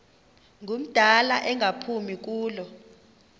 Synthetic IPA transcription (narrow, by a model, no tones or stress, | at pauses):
ŋʱum̩d̥ʱalaʔɛŋʱapʰumik̬uːlɔ